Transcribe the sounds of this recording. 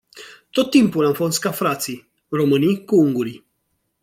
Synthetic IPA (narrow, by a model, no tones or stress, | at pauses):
t̪o̞t̪ːimpulamfo̞s̬t̪̚kafɾat̪si | ro̞mɨnijkuuŋɡuɾi